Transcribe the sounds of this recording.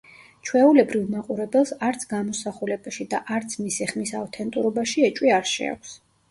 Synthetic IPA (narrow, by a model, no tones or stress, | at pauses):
t͡ʃʰwɛulɛbɾivmaqʼuɾɛbɛlˠsaɾt̪sʰɡamɔsaχulɛbaʃid̪aʔaɾt̪sʰmisiχmisavt̪ʰɛnt̪ʼuɾɔbaʃiɛt͡ʃʼwiaɾʃɛ̰a̰ks